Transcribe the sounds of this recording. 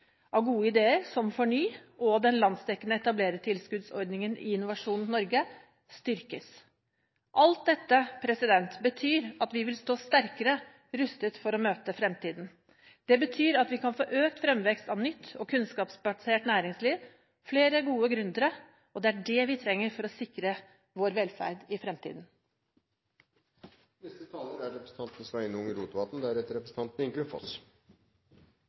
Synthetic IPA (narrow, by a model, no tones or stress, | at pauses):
ɑʋɡuːəɪd̪eːəɾsɔmfɔɳyːʔɔd̪ɛnlɑnst̪ɛkːənəɛt̪ɑbleːɾət̪ʰɪlskʉd̪sɔ̰ɾɖ̪nɪŋənɪ̰ɪnːʊʋɑʂuːnn̩nɔɾɡə | st̪ʏɾkəs | ʔɑlt̪̚d̪ɛt̪ːəpʰɾɛsɪd̪ɛnt̪bət̪ʰyːɾɑt̪ʋɪʋɪlst̪oːst̪æɾkəɾə | ɾʉst̪ət̪fɔɾɔmøːt̪əfɾɛmt̪iːd̪n̩ | d̪̥ɛbət̪ʰyːɾɑt̪ʋɪkʰɑnfoːʔøːk̚t̪fɾɛmʋɛkst̪ɑʋnʏt̪ʰːɔkʰʉnskɑːpsbɑseːʈnæːɾɪŋsliːʋ | fleːɾəɡuːəɡɾʉnd̪əɾə | ɔd̪ɛæɖɛʋɪt̪ʰɾɛŋːəɾfɔɾɔsɪkɾə | ʋoːɾʋɛlfæ̰ɾd̪ɪfɾɛmt̪ʰḭːd̪n̩ | nɛst̪ət̪ʰɑːləɾæɾɛpɾəsn̩t̪ʰɑnt̪nəsʋæɪnʊŋəɾuːt̪ʋɑt̪n̩d̪æɾɛt̪ːəɾɛpɾəsn̩ʰɑnt̪n̩ɪŋɡʉnfɔ̰s